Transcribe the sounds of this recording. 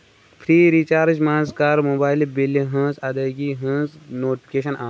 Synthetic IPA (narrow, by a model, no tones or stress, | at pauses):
pʰɾiːɾit͡ʃaːɾd͡ʒmãːnskaːɾmoːbaːɪlbilːiɦɐ̃ːsɐd̪aɡiɦə̃ːznoːʈipʰi̥keːʃɐnʔaː